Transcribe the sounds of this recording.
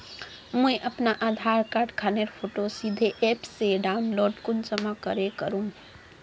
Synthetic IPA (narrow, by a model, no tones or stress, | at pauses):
mə̃eʔəpnaʔaːd̪ʱaːɾkaːɾɖkʰaːneɾpʰoːʈosid̪ʱeʔepseɖaːʊnloːɖkʊnt͡ʃəmakəɾekəɾũ